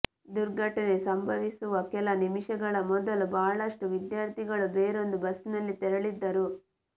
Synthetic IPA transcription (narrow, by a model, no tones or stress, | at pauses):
d̪uɾɡʱɐʈɐne̞sɐmbʱɐʋisuʋɐkɛlɐnimiʂɐɡɐɭɐmɔd̪ɐlubaːɭɐʂʈuʋid̪jaːɾt̪ʰiɡɐɭubeːɾo̞nd̪ubɐsnɐlːit̪ɛɾɐɭid̪ːɐɾu